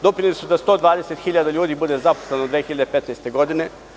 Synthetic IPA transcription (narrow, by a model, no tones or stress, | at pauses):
d̪o̞pɾinlisud̪ast̪o̞ːd̪ʋaːd̪ese̞t̪xiʎad̪aʎuːd̪iːbud̪e̞zaposle̞nod̪ʋeːxiʎad̪epe̞t̪najst̪e̞ɡo̞d̪ine̞